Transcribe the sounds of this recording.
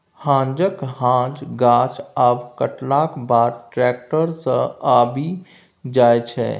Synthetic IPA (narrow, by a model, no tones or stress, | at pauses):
hãːnd͡ʒəkɦãd͡ʒɡaːt͡ʃabkəʈlakbaːɾʈɾɛːk̚ʈəɾsə̃abʱi | d͡ʒaːjt͡ʃʰɛ̰